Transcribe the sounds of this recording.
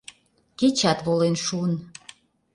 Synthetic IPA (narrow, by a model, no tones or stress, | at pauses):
ket͡ɕɑt̪βolenʃuən